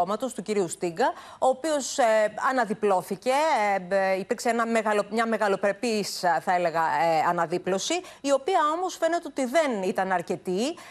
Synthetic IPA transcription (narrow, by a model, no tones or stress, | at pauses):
omɐt̪o̞st̪uciɾiust̪iɡɐo̞ːpio̞sɐnɐðiplo̞θice̞ | ipiɾkseenɐmeɣɐlomɲɐme̞ɣɐlo̞pɾe̞pisθɐele̞ɣɐɐnɐðiplo̞siː | o̞piɐo̞mo̞sfe̞ne̞t̪eot̪iðe̞nit̪ɐnɐɾce̞t̪i